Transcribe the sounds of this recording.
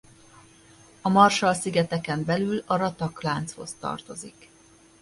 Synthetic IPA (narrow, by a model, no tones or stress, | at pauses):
ɒmɒrʃɒlsiɡɛt̪ɛkɛmbɛlylɒɾɒt̪ɒklaːnt̪sho̞̰st̪ɒ̰rt̪o̞zik